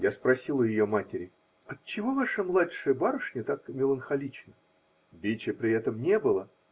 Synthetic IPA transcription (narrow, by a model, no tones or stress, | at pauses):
jaspɾɐsʲilˠəjɪjomatʲɪɾʲɪ | ɐt͡ɕːɪvo̞vaʂəmlˠatʲʂɨjəbaɾəʂnʲɪt̪akmʲɪlˠənxɐlʲit͡ɕnə | bʲet͡ɕɪpɾʲɪɛt̪əmnʲe̞bɨlˠə